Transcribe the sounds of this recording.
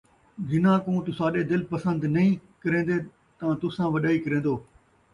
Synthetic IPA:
ɡɪnãːkõːt̪ʊsaːɗed̪ɪlpɐsə̃nd̪nɐĩkɐɾẽːn̆d̪e | t̪ɐãt̪ʊsãːʋɐɗaːikɐɾẽːn̆d̪oː

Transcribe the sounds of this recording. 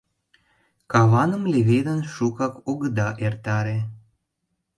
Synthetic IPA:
kɑβɑnəmleβed̪ənʃukɑkoɣəd̪ɑʔert̪ɑɾe

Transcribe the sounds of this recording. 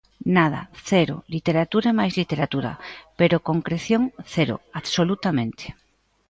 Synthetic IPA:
naða̰θeɾo̰lit̪eɾat̪uɾemajzlit̪eɾat̪uɾa̰peɾokõŋkɾeθjoŋθeɾo̰aðsolut̪amẽnt̪e̥

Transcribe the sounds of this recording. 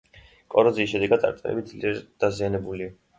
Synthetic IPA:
kʼɔɾɔziːsʃɛd̪ɛɡad̪ʼa̰ɾt̪ʼilɛ̰bid̪zliɛɾd̪̥azianɛbuli

